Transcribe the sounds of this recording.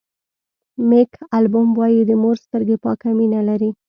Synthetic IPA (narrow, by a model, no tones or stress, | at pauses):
mekʰalbʊmwɑjid̪əmoɾst̪əɾɡepɑkaminalaɾi